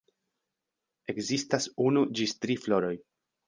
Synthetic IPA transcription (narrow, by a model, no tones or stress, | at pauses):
e̞kzistasunud͡ʒistɾiflo̞ɾo̞j